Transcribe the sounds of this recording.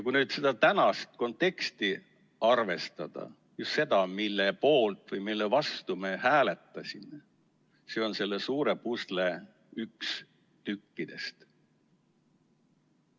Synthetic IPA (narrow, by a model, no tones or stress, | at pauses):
jkujnyːd̪se̞d̪̥ɑt̪ænɑst̪̚ko̞nt̪ːˑe̞kst̪i | ɑrve̞st̪ɑd̪̥ɑ̰ | just̪se̞d̪ɑmilːe̞po̞ːlt̪ˑvɯjmilːevɑst̪umehæːle̞t̪ːˑɑsʲime | se̞ːo̞nse̞lːesuːɾe̞pusle̞ | yks | t̪ykːid̪̥e̞̰st̪